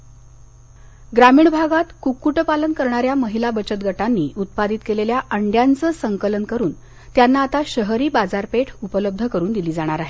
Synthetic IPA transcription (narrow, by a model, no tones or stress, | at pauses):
ɡɾamiːɳbʱaɡat̪kukːuʈəpalənkəɾɳaɾjaməɦilabət͡ɕət̪ɡʱəʈanːiːʔut̪̚pad̪it̪keleljaʔəɳɖjant͡səːsəŋkələnkəɾuːn | t̪janːaːt̪aɕəɦɾiːbad͡zaɾpeʈʰupələb̚d̪ʱəkəɾuːnd̪iliːd͡zaɽ̃aɾaɦe